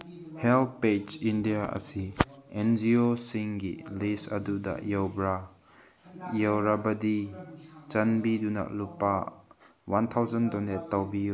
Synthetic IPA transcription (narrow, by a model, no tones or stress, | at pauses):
hɛlped͡ʒindiaʔə̰siʔɛnd͡ʒiosiŋɡḭlisɐ̰dud̪a̰ʔjɔwbɾa | jawɾabɐd̪i | t͡ʃɐnbiduna̰ʔlupa | want̪ʰawzɐndɔnɛt̪ːɐwbi